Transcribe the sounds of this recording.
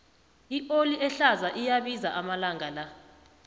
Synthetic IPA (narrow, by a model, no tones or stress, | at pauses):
iʔoliʔɛɬazaʔijaɓizaʔamalaŋala